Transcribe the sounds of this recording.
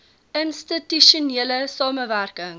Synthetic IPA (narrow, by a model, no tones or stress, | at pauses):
ʔənstitiʃuneːləsɑːməværkəŋ